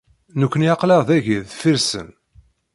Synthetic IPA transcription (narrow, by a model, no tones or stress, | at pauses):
nukʷːənjɑqlɑʁðæʝiðfiɾsə̰n